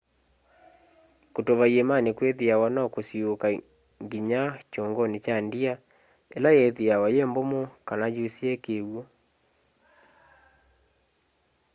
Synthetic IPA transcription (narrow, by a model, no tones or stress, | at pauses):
kotoβaiemanekweðiawanɔkosioka | ŋɡiɲat͡ʃoŋɡɔnet͡ʃandia | elajeðiawajembomokanajusiekewɔ